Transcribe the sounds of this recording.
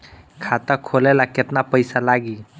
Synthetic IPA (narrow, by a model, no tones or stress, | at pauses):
kʰat̪akʰolelaket̪napəjsalaɡi